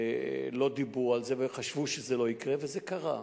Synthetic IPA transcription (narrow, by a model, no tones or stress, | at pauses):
lo̞d̪ibʁualzeveχaʃv̥uʃezelo̞ikʁevezekaʁa